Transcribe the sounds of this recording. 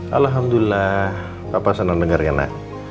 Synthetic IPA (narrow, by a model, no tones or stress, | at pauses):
ʔalɦamd̪uilːah | papasanandəŋarɡana̰k̚